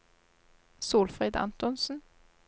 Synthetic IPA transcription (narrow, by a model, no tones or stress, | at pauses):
suːlfʁɛːd̪ɑ̰nt̪ʊnsn̩